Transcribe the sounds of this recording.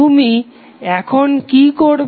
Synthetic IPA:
umi | ɛkʰonkikoɾ

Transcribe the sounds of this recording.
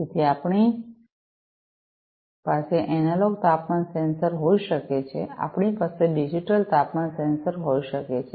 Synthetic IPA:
et̪ʰiapɳi | paseʔɛnaloɡt̪apmansensəɾɦoiʃəket͡ʃʰea̰pɳipaseɖid͡ʒiʈəlt̪apmansensəɾɦoiʃəket͡ʃʰe

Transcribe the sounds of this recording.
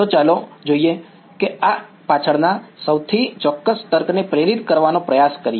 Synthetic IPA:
ot͡ʃalod͡ʒoie | kea | pat͡ʃʰəɽnasəwt̪ʰit͡ʃɔkːəst̪əɾknepɾeɾit̪kəɾʋanopɾəjaskəɾie

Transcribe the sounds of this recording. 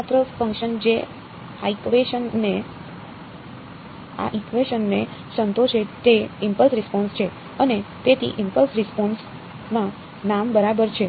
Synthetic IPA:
at̪ɾəfə̃ŋkʃənd͡ʒe | aikʋeʃənːe | a̰ʔikʋeʃənːesənt̪oʃʰet̪eimpəlsɾispɔnst͡ʃʰe | ənet̪et̪ʰḭʔɪmpəlsɾɪspɔns | mã | nambəɾabəɾt͡ʃʰe

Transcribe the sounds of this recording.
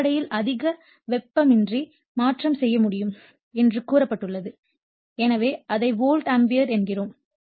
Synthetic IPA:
ɐɽɐjɪlɐðɪɣɐ | ʋɛpːɐmɪndri | maːʈrɐmsɛjːɐmʊɽɪjɯm | ɛndrɯkuːrɐpːɐʈːɯɭːɐðɯ | ɛnɐʋeːʔɐðɐɪʋoːlʈɐmbɪjɐɾɛnɡɪroːm

